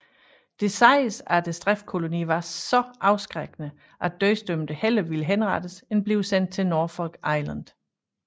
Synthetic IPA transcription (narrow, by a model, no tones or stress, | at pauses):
d̥e̝sɑ̈ɪsæd̥esd̥ʁɛf̚kʰo̝lo̝nḭːʋɑ̈sɒ̽ʔɑ̈ʊsɡ̥ʁeɡ̥ənə | ʔæd̥œɪsd̥ømd̥əhel̰ɐʋiləɦenʁɑ̈d̥əsenb̥liʊsen̰d̥̚t͡sʰe̝lno̝ɐfɒ̽lɡ̥ɑ̈ɪlænd̥